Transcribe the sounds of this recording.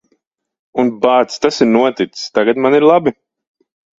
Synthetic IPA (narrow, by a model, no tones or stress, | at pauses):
unbaːt̪st̪asiɾnuɔt̪it̪sst̪aɡat̪maniɾlˠabi